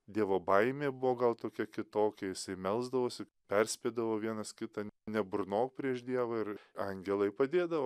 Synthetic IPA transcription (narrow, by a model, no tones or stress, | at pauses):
d̪ʲiɛʋoːbɐɪmʲeːbʊʋoːɡɐlˠt̪oːkʲɛkʲɪt̪oːkʲɛjɪsɐɪmʲɛlˠzd̪ɐʋoːsʲɪ | pʲɛrʲsʲpʲeːd̪ɐʋoːʋʲiɛnɐskʲɪt̪ɐnʲɛbʊrnoːk̚pʲɾʲiɛʃd̪ʲiɛʋɐɪɾɐŋʲɡʲɛlˠɐɪpɐd̪ʲeːd̪ɐʋoː